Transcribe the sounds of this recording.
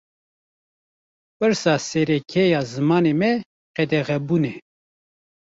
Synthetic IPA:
pɨɾsɑːsɛɾɛkʰɛjɑːzɨmɑːnemɛ | qɛd̪ɛɣɛbuːnɛ

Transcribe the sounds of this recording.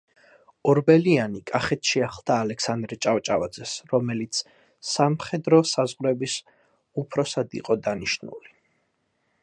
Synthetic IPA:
ɔɾbɛlianikʼaχɛt̪ʰʃiaχlˠd̪ʰaːlɛksand̪ɾɛt͡ʃʼavt͡ʃʼavad̪zɛsɾɔmɛlit̪sʰ | samχɛd̪ɾɔsazʁɾɛbis | upʰɾɔsad̪ḭqʼɔd̪aniʃnṵli

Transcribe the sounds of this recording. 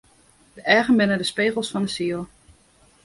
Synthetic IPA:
dəɛːɣənbɪnədəspeːɣəlˠsfɑndəsiəlˠ

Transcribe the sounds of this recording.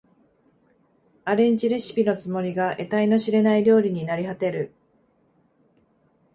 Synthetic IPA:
aɾẽ̞ɲ̟t͡ɕiɾe̞ɕi̥pʲino̞t͡sɨmo̞ɾʲiɡaʔe̞t̪aino̞ɕiɾe̞naiɾʲo̞ːɾʲiɲ̟inaɾʲihat̪e̞ɾɯ̟

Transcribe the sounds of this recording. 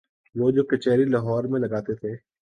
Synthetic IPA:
ʋoːd͡ʒoːkɐt͡ʃɛːɾilaɦɔːɾmẽlɐɡaːt̪et̪ʰeː

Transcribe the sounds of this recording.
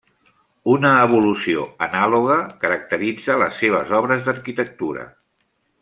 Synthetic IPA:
unəːβ̞ulusio̰ənaloɣ̞əkəɾək̚t̪əɾid͡zələ̰sːeβ̞ə̰zɔβ̞ɾəzd̪əɾkit̪ək̚t̪uɾə̰

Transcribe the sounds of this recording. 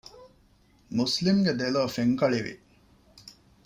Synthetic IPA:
muslimɡed̪eloːfeŋkɐɭiʋḭ

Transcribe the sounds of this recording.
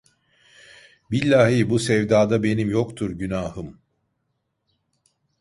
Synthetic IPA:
bilʲːaːɦibusɛvd̪aːd̪abe̞nimjo̞kt̪ʰuɾɟynaːhɯm

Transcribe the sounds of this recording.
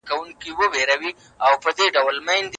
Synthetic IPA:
kawuŋkiwəweɾawi | awpəd̪eɖawlmajnd̪

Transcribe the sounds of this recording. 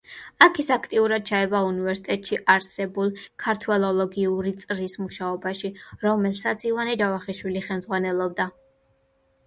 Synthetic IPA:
akʰisakʰt̪ʼiuɾad̪̥̚t͡ʃʰaɛbaunivɛɾsit̪ʼɛt̪ʼʃiʔaɾsɛbulˠkʰaɾt̪ʰwɛlˠɔlˠɔɡiuɾit̪sʼɾismuʃaɔbaʃiɾɔmɛlsat̪sʰivanɛd͡ʒavaχiʃwiliχɛlmd̪z̥ʁwanɛlˠɔbd̪a

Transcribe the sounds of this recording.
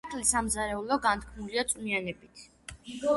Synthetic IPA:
t̪ʰʼlisamzaɾɛulɔɡant̪̚ʰkʰmuliat̪sʼmianɛbit̪ʰ

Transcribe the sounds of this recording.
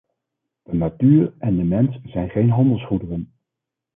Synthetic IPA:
d̥ənatyːɹɛndəmɛnsz̥ɛjnχejnɦɑndəlˠsχudərən

